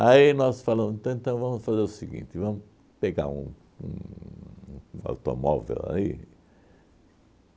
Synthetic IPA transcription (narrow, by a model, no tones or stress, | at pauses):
ainɔsfalɐ̃mzẽt̪ɐ̃w̃ẽnt̪ɐ̃w̃vɐ̃mʊsfazeɾʊsiɡḭ̃nt̪ɪvɐ̃mʊ | peɡa̰ɾṵ̃ | ṵ̃ | a̰wt̪o̰mɔvḛla̰i